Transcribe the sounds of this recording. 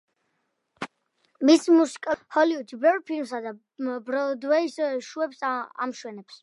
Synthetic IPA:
mismusi̥kʼahɔliud͡ʒibɛvɾpʰilmsad̪a | bɾɔd̪wɛisʃuɛpsa̰mʃwɛnɛps

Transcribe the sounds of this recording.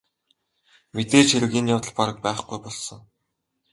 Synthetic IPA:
met̪eːt͡ɕʰeɾɘ̆ɣiːnjawt̪ə̆ɮpaɾə̆k̚pæːχɡujpɔɮsɞ̆ŋ

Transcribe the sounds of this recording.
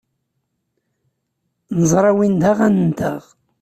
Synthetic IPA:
nəzˤɾˤɑwind̪aʁænənt̪a̰ʁ

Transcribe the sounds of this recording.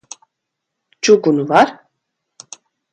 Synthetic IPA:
t͡ʃuɡunuvaɾ

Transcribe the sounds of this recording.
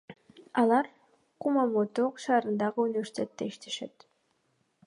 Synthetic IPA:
ɑlˠɑɾ | qumɑmot̪oqʃɑːɾɯnd̪ɑʁɯunʲɪvʲe̞ɾsʲitʲe̞t̪ːeiʃt̪ʰe̞̥ʃe̞t̪

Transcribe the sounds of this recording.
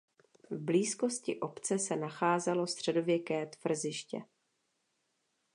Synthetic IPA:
vbliːsko̞scɪʔo̞pt͡sɛsɛnaxaːzɛlo̞st̪r̝̥ɛdo̞vjɛkɛːt̪v̥r̩zɪʃcɛ̰

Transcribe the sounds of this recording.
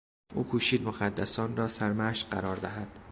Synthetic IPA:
ʔṵːkʰuːʃiːd̪moxæd̪ːæsɒːnrɒːsæɾmæʃɢæɾɒːɾd̪æɦæd̪̥

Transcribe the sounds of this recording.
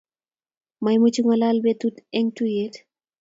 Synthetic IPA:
majmut͡ʃuŋɔlalbet̪utɛŋtujet

